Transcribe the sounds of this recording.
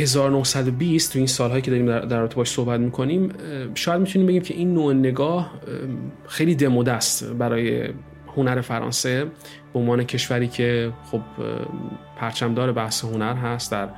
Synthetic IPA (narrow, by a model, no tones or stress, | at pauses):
he̞zɒːɾonohsæd̪obist̪ʰːujiːnsɒːlɦɒːjice̞d̪ɒːɾimd̪æd̪æɾɒbet̪ʰeːʃsohbæt̪miːkʰo̞niːmʃɔːjæd̪mit̪ʰuniːmbeɟiːmcʰe̞ʔinːoːene̞ɡɒːh | xejliːd̪e̞moːd̪æst̪bæɾɒːje̞̰ | ho̞næɾe̞fæɾɒ̰ːnse | b̥eonvɒːnecʰe̞ʃvæɾiːcʰe̞xob | pʰæɾt͡ʃʰæmd̪ɒːɾe̞bæhsehonæɾɦæst̪d̪æɾ